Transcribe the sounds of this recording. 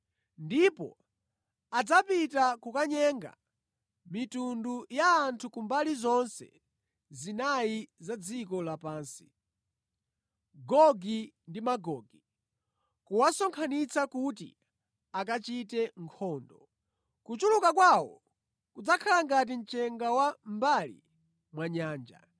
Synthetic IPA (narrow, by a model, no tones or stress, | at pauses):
ndipɔ̰ | ad͡zapitakukaɲɛŋɡa̰ | mitundujaːntʰukumbalizɔnsɛ̰ | zinajizad͡zikɔlapaːnsi̥ | ɡɔɡi | ndimaɡɔːɡi | kuwasɔŋkʰanit͡sakutḭ | akat͡ʃitɛŋkʰɔːndɔ | kut͡ʃulukakwawɔ̰ | kud͡zakʰalaŋɡat̬int͡ʃɛŋɡawambalḭ | mwaɲaːnd͡ʒa̰